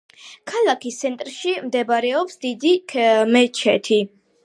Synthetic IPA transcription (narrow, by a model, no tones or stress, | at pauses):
kʰalˠakist̪sʰɛnt̪ʼɾʃimd̪ɛbaɾɛɔpsd̪id̪ikʰmɛt͡ʃʰɛt̪ʰi